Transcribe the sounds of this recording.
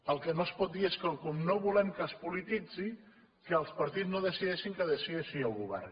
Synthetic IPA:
əlˠkənoəspɔt̪̚d̪ieskəlkumnoβulɛmkəspulit̪id͡zi | kəːlˠspɐɾt̪iznoðəsiðɛʃiŋkəðəsieʃiəlˠɣuβɛ̰rn

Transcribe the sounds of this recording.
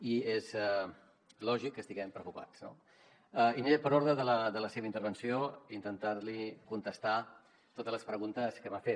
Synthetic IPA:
iezɛ | lɔʒikːəst̪iɣɛmpɾəkupa̰t͡sno̰ | ɛiniepəɾoɾðɾəðələðələseβəint̪əɾβənsioint̪ənt̪aɾlikunt̪əst̪a | t̪ot̪əzləspɾəɣunt̪əskəmafe

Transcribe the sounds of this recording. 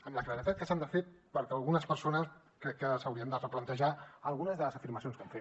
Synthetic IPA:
əmləkləɾit̪at̪̚kəsand̪əfet̪̚pəɾkəəlˠɣunəspəɾsonəs | kɾɛkːəsəwɾiənd̪ərəplənt̪əʒaəlˠɣunəzðələzəfiɾməsionskəmfe

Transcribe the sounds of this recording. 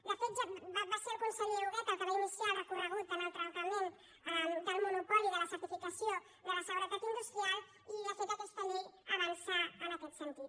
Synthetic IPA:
lafed͡ʒababaseɾkonsaliuɣat̪akəβainisjarəkurəɣut̪ənəlt̪ɾant̪amẽnt̪ | əd̪əlmonupɔliðəlasat̪ifikasjo | d̪əlasəɣɾat̪at̪ind̪ust̪ɾial | ilafed͡ʒat̪əst̪aʎiaβansaːnakɛt̪sent̪it̪

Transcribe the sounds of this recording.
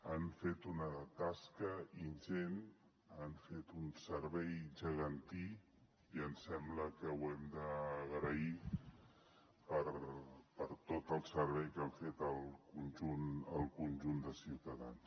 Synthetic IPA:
anfet̪unət̪askəinʒen | anfet̪unsəɾβɛjʒəɣənt̪i | iənsɛmbləkəwɛmd̪əːɣɾəi | pəɾpəɾt̪ot̪əlˠsəɾβɛjkaɱfet̪əlˠkunʒunəlˠkunʲʒund̪əsiwt̪əða̰ns

